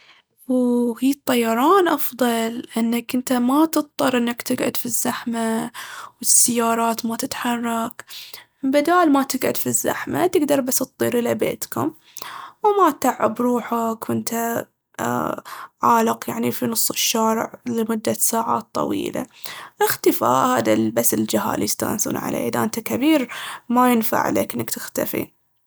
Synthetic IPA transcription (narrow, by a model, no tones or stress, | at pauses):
whiːɨt̪ˤːɑjːɑɾˤɑːnʔɑfðˤɑlʔɪnːakʔɪnt̪amat̪ɨt̪̚ˤt̪ˤːɑɾˤʔɪnːakt̪ɪɡʕʊ̰d̪fizːaħmawɪsːajːɑːɾˤɑːt̪mat̪ɪt̪ħɑrˤːɑk | bad̪aːlmat̪ɪɡʕʊd̪fizːa̰ħma̰t̪ɪɡd̪ɑɾˤbasːt̪̚ˤːḭːɾʔɪlabḛːt̪kʊ̰m | wmat̪aʕːabɾˤuːħakwɪnt̪a | ʕaːlɪqjaʕnifinʊsˤːɨʃːaːɾɪ̰ʕlɪmʊd̪ːasaːʕa̰ːt̪ːˤɑ̰wḭːla̰ʔɪxt̪ɪfa̰ːʔhaːðabasːɪld͡ʒɪɦa̰ːljɪst̪a̰ːnsṵːnʕa̰lʔḛːʔɪðaʔɪnt̪akabiːɾmajɪnfa̰ʕleːkʔɪnːakt̪ɪxt̪afḭ